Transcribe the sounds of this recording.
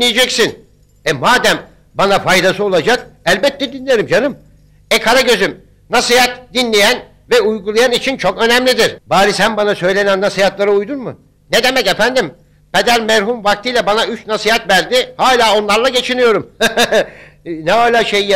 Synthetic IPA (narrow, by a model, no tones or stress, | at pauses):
ijed͡ʒɛcsin | ɛmaːd̪æm | banafajd̪asɯo̞lˠad͡ʒakælʲbɛt̪ʰːɛd̪inlːʲeɾimd͡ʒanɯm | ɛkʰaɾaɟø̞zym | nasijat̪d̪inlːʲejæn | vɛujɡulˠajanit͡ʃʰint͡ʃʰo̞kø̞næmlʲid̪iɾ̥baːɾisænbanasø̞jlʲe̞nænːasijat̪lˠaɾɯujd̪unmɯ | ned̪e̞mɛce̞fænd̪im | ped̪æɾmæɾɦumvak̚t̪ʰɯjlʲɛbanayt͡ʃnasijat̪væɾd̪ɪhaːlʲaːo̞nlˠaɾlˠaɟe̞t͡ʃʰinijo̞ɾum | nɛɦaːlʲaːʃej